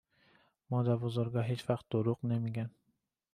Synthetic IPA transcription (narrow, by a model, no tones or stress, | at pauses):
mɒd̪abozʊɾɡʲaɦet͡ʃvɑqt̪̚ːoɾʊqnemeɡʲan